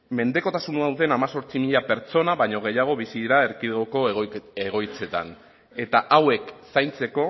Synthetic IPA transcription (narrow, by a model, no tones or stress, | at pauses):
me̞nd̪e̞ko̞t̪asunuawðe̞namaso̞ɾt͡simiʎape̞ɾt͡so̞naβaɲo̞ɣ̞e̞jaɣ̞o̞βisiðiɾaeɾkiðɣoko̞eɣo̞jt͡se̞t̪a̰n | e̞t̪aʔawe̞ksajnt͡se̞ko̞